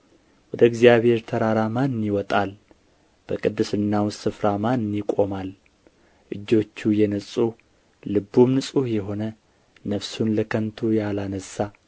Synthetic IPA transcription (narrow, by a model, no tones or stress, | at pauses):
wɔd̪əɨɡzijaβhe̞ɾt̪ʰəɾaɾamanɨnːiwɔt̪ʼal | b̥əkʼɨd̪ːɨsɨnːawsɨfɾamanɨnːikʼo̞mal | ʔɨd͡ʒːo̞t͡ʃːujɛnəsʼu | lɨbːumnɨsʼujɛɦo̞nə | nəfsunləkʰənt̪ʰujalanəsːa